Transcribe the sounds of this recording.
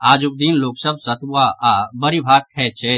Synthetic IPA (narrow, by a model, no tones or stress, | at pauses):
aːd͡ʒʊk̚d̪iːnloːksəb̚ʱsɐt̪ːaːaːbɐɾibʱaːt̪̚kʰɛːt͡ʃʰeː